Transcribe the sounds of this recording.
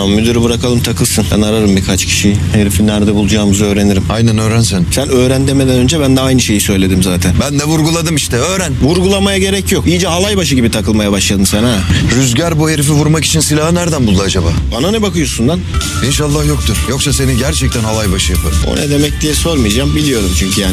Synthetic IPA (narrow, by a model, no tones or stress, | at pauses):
ammyd̪yɾibɯɾakʰalˠɯmt̪ʰakʰɯlˠsɯnbæ̰naɾaɾɯmbiɾkʰat͡ʃcʰi̥ʃijheɾifinːæɾd̪ɛbulˠud͡ʒaːmɯzøːɾe̞niɾimajnænøːɾænsænsænø̞ːɾænd̪eme̞d̪ænø̞nd͡ʒɛbænd̪ɛajnɯʃe̞jisø̞jlʲe̞d̪imzaːt̪ʰænbænd̪ɛvuɾɡulˠad̪ɯmiʃt̪ʰɛøːɾænvuɾɡulˠamajaɟe̞ɾɛcʰjo̞kijid͡ʒɛɦalˠajbaʃɯɟibit̪ʰakʰɯlˠmajabaʃlˠad̪ɯnsanaɾyzɟæɾbuheɾifivuɾmaki̥t͡ʃʰinsilʲaɦɯnæɾd̪ænbulˠd̪ad͡ʒaba̰ːbananɛbakɯjo̞sund̪an | inʃalˠːahjo̞k̚t̪ʰuɾ̥jo̞ksase̞niɟæɾt͡ʃʰɛc̚t̪ʰænɦalˠajbaʃɯjapʰɯɾo̰nɛ̰d̪e̞mɛc̚t̪ʰijɛso̞ɾmɯjad͡ʒambilʲijo̞ɾumt͡ʃʰyɲcʰyjaːn